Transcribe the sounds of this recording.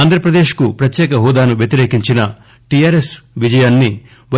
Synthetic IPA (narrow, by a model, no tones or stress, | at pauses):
aːnd̪ʱɾɐpɾɐd̪eːʃkupɾɐt̪jɛːkɐɦɔːd̪aːnuʋjɐt̪iɾe̞ːkiɲt͡ʃinɐ | ʈijaːɾesʋid͡ʒɐjaːnːi | ʋɐ